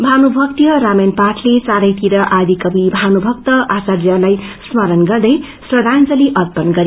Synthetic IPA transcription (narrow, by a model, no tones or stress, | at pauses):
bʱanubʱʌk̚t̪ijʌɾamenpaʈʰlet͡saɾʌjt̪iɾʌʔad̪ʱikʌbibʱanubʱʌk̚t̪ʌʔasarjʌlajsmʌɾʌnɡʌrd̪ʌjsrʌd̪ʱant͡sʌliʔʌt̪̚pʌnɡʌɾi